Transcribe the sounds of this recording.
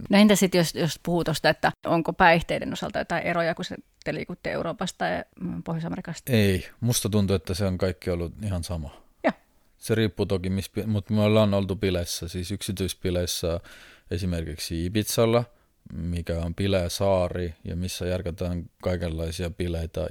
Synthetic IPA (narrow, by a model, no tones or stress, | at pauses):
noent̪æsit̪josjospuhut̪ost̪ɑet̪ːæʔoŋkopæiht̪eidḛnosɑ̰lt̪ɑjo̰t̪ɑiʔerojɑkusḛ | t̪ːelḭːkut̪ːiḛuroːpɑst̪t̪ɑjpohjosɑmerikɑst̪ɑ̥eimust̪ɑt̪unt̪uet̪ːæseoŋkɑikːiolːuihɑnsɑmɑ | jo | seriːpːuːt̪okimispimut̪myolːɑonolt̪upilesːɑsiːsyksit̪yispileisːɑesimerkiksiipit̪sɑlːɑ | mikæompileːsɑːrijɑ̰misːæjærket̪æːŋkɑikelːɑisiɑpileit̪ɑ̰